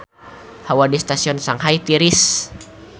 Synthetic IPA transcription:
hawadist̪asiɔnsaŋhajt̪iɾis

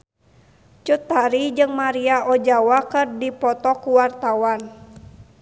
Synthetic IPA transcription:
t͡ʃut̪ːaɾid͡ʒɨŋmaɾiaɔd͡ʒawakɨrdipɔt̪ɔkuwart̪awan

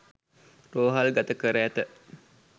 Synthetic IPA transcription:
roːɦalɡat̪əkəɾəæt̪ə

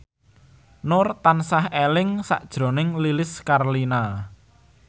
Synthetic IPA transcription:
nʊrt̪ansahelɪŋsa̰ʔd̥ʒ̥ɾo̤nɪŋlilɪskarlina

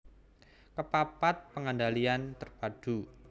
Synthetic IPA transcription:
kəpapat̪̚pəŋandaliant̪ərpad̥u

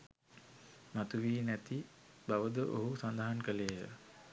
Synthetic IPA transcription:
mat̪uʋiːnæt̪i | baʋəd̪əʔo̰ɦusand̪aɦankəlejə

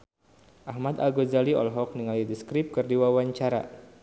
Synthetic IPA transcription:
ʔahmat̪a̰ɡozaliɔ̰lɦɔk̚niŋalidiskɾɪp̚kɨrdiwawaɲt͡ʃaɾa̰

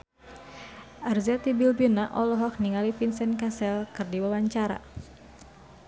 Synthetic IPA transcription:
ʔarzat̪ibilbinaʔɔlɔɦɔk̚niŋalifinsɛnkasɛlkɨrdiwawaɲt͡ʃaɾa̰

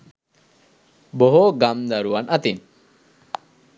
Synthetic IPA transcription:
boɦoɡamd̪aɾuɐnʔɐt̪in

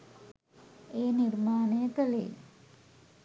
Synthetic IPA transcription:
eːnirmaːneːt̪ɐlḛː

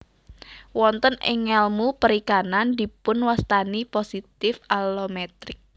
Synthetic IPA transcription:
wɔnt̪ənɪ̰ŋɛlmupəɾikanand̪ipʊnwast̪aniposit̪ɪfalomɛt̪ɾɪk̚

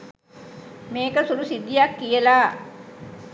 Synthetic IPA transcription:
meːkəsulusid̪ːijakːijəlaː

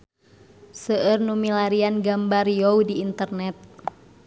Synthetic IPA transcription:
səʔərnumilaɾianɡambarjoudiːnt̪ərnɛt̪̚

